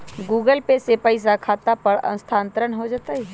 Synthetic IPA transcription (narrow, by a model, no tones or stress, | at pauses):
ɡuːɡəlpesepəɪs̬akʰaːt̪apɐɾɐ̰̃nʊst̪ʰãːnt̪əɾənɦod͡ʒaːt̪aɦi